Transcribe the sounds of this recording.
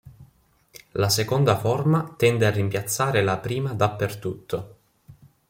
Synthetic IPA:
lasekond̪aformat̪ɛnd̪earːimpjat̪sːaːɾelapɾiːmad̪apːert̪ut̪ʰːo

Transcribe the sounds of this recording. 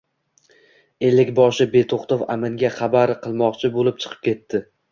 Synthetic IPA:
e̞lːɪkʲbɒʃɪbe̞t̪ʰoqt̪ofamɪŋɡʲaχabaɾqʰɨlˠmɒqt͡ʃʰɪbolɪp̚t͡ʃʰɨ̥qʰɨ̥p̚kʲe̞t̪ːɪ

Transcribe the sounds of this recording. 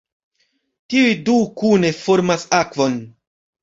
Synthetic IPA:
tiujdukune̞fo̞ɾmasakvo̞n

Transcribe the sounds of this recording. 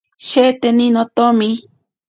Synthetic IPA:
ʃet̪eninot̪omi

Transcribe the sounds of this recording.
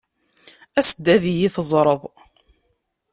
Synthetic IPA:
æsəd̪ːæðijiθəzˤɾˤəðˤ

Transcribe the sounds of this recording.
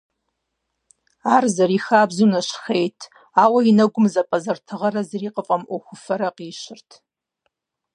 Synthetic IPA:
aːrzɐɾixaːbzunaʃxejtʰ | aːwainɐɡʷʊmzɐpʼɐzɐrtʰɨʁɐɾɐzriːqʼəfʼamʔoxʷʊfɐɾɐqʼiːʃɪrtʰ

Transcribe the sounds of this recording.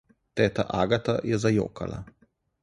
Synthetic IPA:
t̪ɛːt̪aʔaːɡat̪ajɛzajo̰ːka̰la̰

